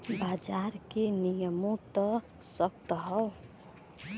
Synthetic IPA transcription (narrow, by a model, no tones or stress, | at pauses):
bad͡ʒaɾkenijəmõt̪ʌ | sək̚t̪ɦɔʊ